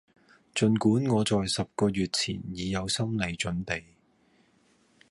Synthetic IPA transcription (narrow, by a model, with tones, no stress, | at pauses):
t͡ʃɵ˨˧nkuː˨˥nŋɔː˨˧t͡sɔː˨jsɐ˨p̚kɔː˧ɥyː˨t̚t͡sʰḭː˨˩njiː˨˧jɐ˨˧wsɐ˥mle˨˧jt͡ʃɵ˨˥np̪e˨j